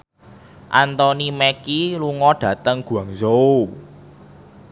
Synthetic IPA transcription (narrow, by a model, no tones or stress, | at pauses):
ʔant̪ɔnimɛkiluŋɔɖ̥ä̤t̪əŋɡ̥ṳaŋzou